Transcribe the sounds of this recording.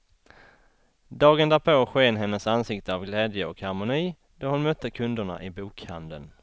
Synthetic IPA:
d̪ɑːɡənd̪æːɾpʰoɧeːnɦɛnːəsansɪkt̪əavɡlɛːd̪jəɔkhaɾmʊniː | d̪̥ɔɾhʊnmœt̪ʰːəkʰɵnd̪əɳa̰ʔɪbuːkha̰nd̪ə̰n

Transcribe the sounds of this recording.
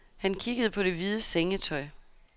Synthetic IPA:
hænkʰiɡ̥əð̞̩ˠpʰɒ̽d̥e̝ʋið̞ˠəseŋət͡sʰɒ̽ɪ

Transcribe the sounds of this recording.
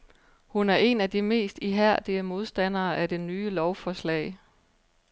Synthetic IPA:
hunæɐʔe̝næd̥ime̝̰ːsd̥iɦæɐ̰d̥iəmo̝ð̞ˠsd̥æn̰ɐːʔæd̥e̝nyːəlɒʊfɒslɛ̰ɪ

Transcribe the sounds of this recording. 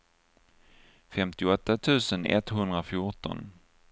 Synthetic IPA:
fɛmt̪ɪɔt̪ːat̪ʰʉ̟ːsənɛ̰t̪ɦɵnd̪ɾafjʊʈɔ̰n

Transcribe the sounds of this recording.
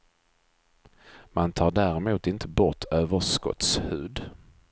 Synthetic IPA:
mʔant̪ʰɑːɖæːɾɛmuːt̪ɪnt̪ʰəbɔt̪ʰøːvəʂkɔ̰t̪shʉ̟ːd̪

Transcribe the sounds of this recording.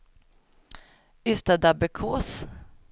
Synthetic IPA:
ʏst̪ad̪abɛkʰoːs

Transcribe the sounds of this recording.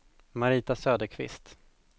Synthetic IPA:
maɾiːt̪asøːd̪əɾkʰvɪ̰st̪

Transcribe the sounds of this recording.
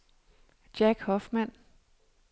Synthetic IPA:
d̥jæɡ̥hɒ̽fmæn̰

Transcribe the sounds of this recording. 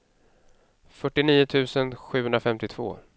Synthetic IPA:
fœʈːɪniːʊt̪ʰʉ̟ːsənɧʉ̟ːhɵnɾafɛmt̪ɪt̪ʰv̥o̰ː

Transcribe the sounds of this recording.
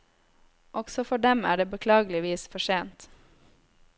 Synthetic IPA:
ʔɔɡ̥sɔfɔɖɛmæ̰ːɖeːbəkʰlɑːɡlɪʋiːsfɔʃeːnt̪

